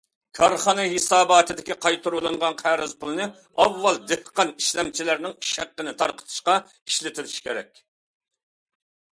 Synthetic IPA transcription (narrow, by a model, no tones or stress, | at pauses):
kʰɑɾχɑnɨɦesɑːbɑːt̪ʰɪd̪ɪkʲiqʰɑjt̪ʰuɾulˠɨɴʁɑnqʰæɾɪzpʰulˠɨnɨ | ɑwːɑlˠd̪ehqɑniʃlɛmt͡ʃʰilæɾnɪŋʃæqːənɪt̪ʰɑɾqə̥t̪ʰɨ̥ʃqɑ | i̥ʃlɪt̪ʰɪɾɪʃkʲʰeɾɛ̰kʲ